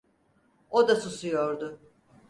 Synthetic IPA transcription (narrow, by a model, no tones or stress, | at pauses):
od̪asusujoɾd̪ʊ